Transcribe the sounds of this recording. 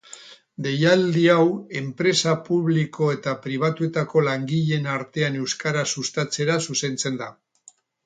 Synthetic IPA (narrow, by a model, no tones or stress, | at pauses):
d̪e̞jald̪iawe̞mpɾe̞sapuβ̞liko̞e̞t̪apɾiβ̞at̪ue̞t̪ako̞laŋɡiʎe̞naɾt̪e̞ane̞wskaɾasust̪at͡se̞ɾasuse̞nt͡se̞nd̪a